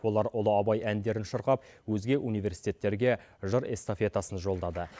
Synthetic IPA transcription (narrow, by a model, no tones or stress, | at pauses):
wo̞lˠɑɾʊlˠəɑbɑjænd̪e̞ɾɪnʃəɾqɑp̚ | wɵzɡʲe̞ʔunijve̞ɾsi̥jt̪e̞t̪ːe̞ɾɡʲe̞ | ʒəɾe̞st̪ofe̞t̪asənʒo̞lˠd̪ɑd̪ə